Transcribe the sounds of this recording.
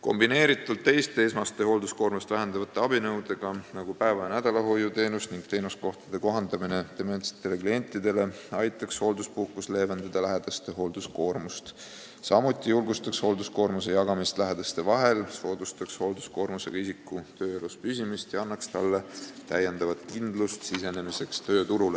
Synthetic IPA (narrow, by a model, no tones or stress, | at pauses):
ko̞̰mbine̞ːɾit̪ːˑult̪ːe̞jst̪eesmɑst̪e̞ho̞ːld̪usko̞ːrmust̪væɦend̪ɑvɑt̪ːˑeɑbinɤwd̪̥e̞ɡ̥ɑnɑɡ̥upæevɑjɑnæd̪̥ɑlɑɦo̞jut̪e̞ːnusniŋɡ̥̚t̪e̞ːnusko̞ht̪ɑ̥d̪e̞ko̞ɦɑnd̪̥ɑmine̞t̪emensi̥t̪ːˑe̞le̞klie̞nʲt̪ːˑid̪e̞le̞ɑjt̪ːˑɑksho̞ːld̪uspuhkːusle̞ːvend̪̥ɑd̪̥ɑlæɦed̪̥ɑst̪e̞ɦo̞ld̪̥usko̞ːrmust̪ | sɑmut̪ʲːˑijulɡust̪ɑksho̞ld̪uskoːrmus̬e̞jɑɡ̥ɑmist̪læɦe̞d̪̥ɑst̪e̞vɑɦe̞lso̞ːd̪̥ust̪ɑksho̞ld̪̥u̥sko̞ːɾmuse̞̰ɡ̥ɑisikːˑut̪øːeluspysʲimist̪jɑɑnːɑkst̪ɑ̰lːet̪æje̞nd̪ɑvɑt̪kind̪̥lust̪sise̞ne̞mise̞kst̪ø̞ːt̪uɾule